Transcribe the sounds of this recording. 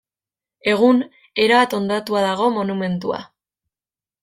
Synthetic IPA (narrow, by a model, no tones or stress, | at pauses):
e̞ɣ̞un | e̞ɾaβat̪o̞nd̪at̪uaðaɣ̞o̞mo̞nume̞nt̪ua̰